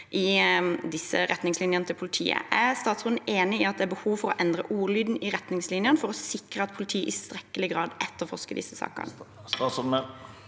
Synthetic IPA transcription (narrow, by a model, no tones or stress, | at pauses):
ʔɪd̪ɪsːəɾɛt̪nɪŋslɪnjənət̪ʰɪlpʰʊlɪt̪ʰḭːə̰ʔæst̪ɑːt̪sʁʉːnn̩ʔeːnɪɪɑt̪̚d̪ɛæbəhuːʋfɔɾɔʔɛnd̪ʁəʔuːʁlyːd̪n̩ɪɾɛt̪nɪŋslɪnjənfɔɾɔsɪkɾəɑt̪̚pʰʊlɪt̪ʰiːʔɪst̪ɾɛkːəlɪɡʁɑːd̪ɛt̪ːəʁfɔʁʂkəd̪ɪ̰sːəsɑ̰ːkə̰n | ɑsə